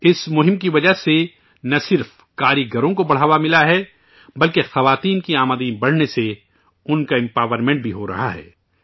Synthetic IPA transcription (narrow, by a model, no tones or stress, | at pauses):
ɪsmʊɦɪ̃mkiʋɐd͡ʒəɦse | nɐsɪɾf | kaːɾiɡɐɾõkobɐɽ̤aːʋamɪlaɦɛː | bɐlkexɐʋaːt̪iːnkiaːməd̪iːnbɐɽ̤nese | ʊnkaɛ̃mpaːʋəɾmẽɳʈ̚bʱiɦoɾɐ̰ɦa̰ɦɛ̰ː